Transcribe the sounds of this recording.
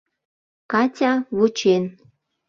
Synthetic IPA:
kɑtʲɑβut͡ɕen

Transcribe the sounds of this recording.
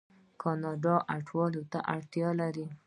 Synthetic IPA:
kʰɑnɑɖɑʔaʈʰwɑlot̪a̰ʔaɽt̪jɑlaɾi

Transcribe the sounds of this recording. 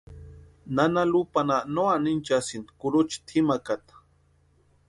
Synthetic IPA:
nanalupananoanint͡ʃasind̪kuɾut͡ʃi̥t̪ʰimakat̪ḁ

